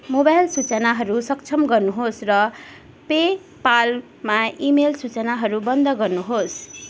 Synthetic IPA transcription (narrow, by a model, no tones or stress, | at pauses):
mobajlsut͡sʌnaɦʌɾusʌkt͡sʰʌmɡʌrnuɦosrʌ | pe | pal | maimelsut͡sʌnaɦʌɾubʌnd̪ʱʌɡʌrnuɦos